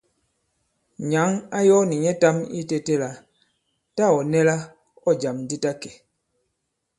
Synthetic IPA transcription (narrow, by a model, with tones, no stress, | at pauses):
ɲa˨˦ŋa˦jɔ˦ni˨ɲɛ˦ta˦mi˦te˦te˦la˨ | ta˦˨ɔ˨nɛ˦la˦ | ɔ˦d͡ʒa˨mn˦di˦ta˦kɛ˨